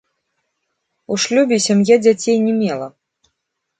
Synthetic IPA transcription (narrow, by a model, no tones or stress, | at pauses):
uʂlʲubʲisʲamjad͡zʲat͡sʲejnʲɛmʲɛlˠɐ